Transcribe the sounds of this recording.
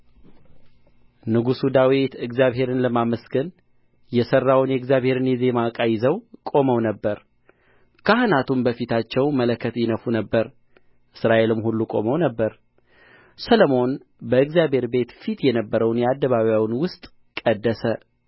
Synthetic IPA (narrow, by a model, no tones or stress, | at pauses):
nɨɡusud̪awit̪ɨɡzijaβhe̞ɾɨnləmaməsɡɨn | jɛsərːawnjɛɨɡzjaβhe̞ɾɨnjɛzemakʼajɪzəwkʼo̞məwnəbːəɾ | kʰahɨnat̪ʰumbəfit̪ʰat͡ʃːɛwmələkʰːət̪jɪnəfunəbːəɾ | ʔɨsɾaʔe̞lɨmhulːukʼo̞̰məwnəbːəɾ | səlomo̞n | bəɨɡzjaβhe̞ɾbe̞t̪fit̪jɛnəbːəɾəwnjɛad̪ːəβaβjawnwʊst̪ʼ | kʼəd̪ːəsə